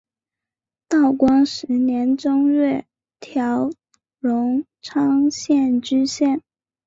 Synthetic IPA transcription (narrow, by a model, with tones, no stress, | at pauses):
t̪ɑ˥˩ʊkwɑ˥ŋʂɻ̩˧˥njɛ˧˥nʈ͡ʂʊ˥ŋɥɛ˥˩ | t̪ʰjɑ˧˥ʊ | ɻʊ˧˥ŋ | ʈ͡ʂʰɑ˥ŋɕjɛ˥˩nt͡ɕy˥ɕjɛ˥˩n